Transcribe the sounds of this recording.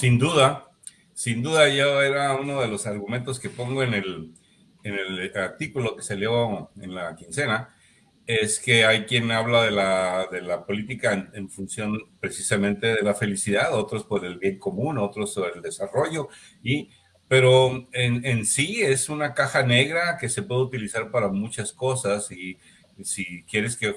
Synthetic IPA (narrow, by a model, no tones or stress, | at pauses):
sind̪uða | sind̪uðaʝoe̞ɾauno̞ðe̞lo̞saɾɣument̪o̞ske̞po̞ŋɡo̞ene̞l | ene̞laɾt̪ikulo̞ke̞seljoe̞̰nlakinse̞na | e̞ske̞ajkje̞naβlaðe̞laðe̞lapo̞lit̪ikaeneɱfunsjo̞npɾe̞sisamẽnt̪e̞ðe̞lafe̞lisiðaðo̞t̪ɾo̞spo̞ɾe̞lβje̞ŋko̞mũno̞t̪ɾo̞spoe̞ld̪e̞saro̞ʝo̞ | i | pe̞ɾo̞enensie̞sunakaxane̞ɣɾake̞se̞pwe̞ðeut̪ilisaɾpaɾamut͡ʃasko̞sasi | sikjeɾe̞ske̞